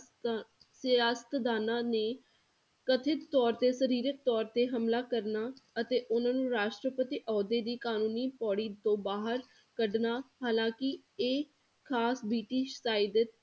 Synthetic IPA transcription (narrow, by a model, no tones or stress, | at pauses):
saːst̪d̪aːnãːneː | kət̪ʰɪt̪ːɔːɾt̪eːsəɾiːɾək̪̚t̪ɔːɾt̪eːɦəmlaːkəɾnaːət̪eːʔʊnãːnũːɾaːʃʈɾəpət̪iːʔɔːd̪eːd̪iːkaːnũːniːpɔːɽiːt̪õːbaːɦəɾ | kəɖnaːhaːlãːkɪeː | kʰaːsbiːʈiːʃsaːɪd̪ɪt̪̚